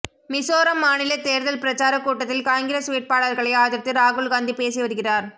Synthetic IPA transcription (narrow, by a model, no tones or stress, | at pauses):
mɪsoːɾɐmːaːnɪlɐt̪eːɾðɐlpɪɾɐt͡ʃaːɾɐkuːʈːɐt̪ːɪlkaːŋɡɪɾɐsʊʋɪʈ̚paːɽɐɾɣɐɭɐɪaːðɪɾt̪ːɯɾaːɣʊɭɡaːnd̪ipeːsiʋɐɾɯɣɪraːɾ